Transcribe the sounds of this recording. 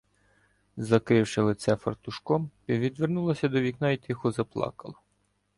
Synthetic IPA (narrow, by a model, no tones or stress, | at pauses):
zɐkɾɪwʃɪlˠɪt̪sɛfɐrt̪ʊʃkɔmpʲiʋʲid̪ʋernulˠɐsʲɐd̪ɔʋʲiknɑjit̪ixɔzɐplˠɑ̰kɐlˠɐ